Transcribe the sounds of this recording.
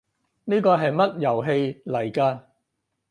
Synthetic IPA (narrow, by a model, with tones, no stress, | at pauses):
niː˥kɔː˧ɦɐ˨jmɐ˥t̚jɐ˨˩wɦe˧jlɐ˨˩jkaː˧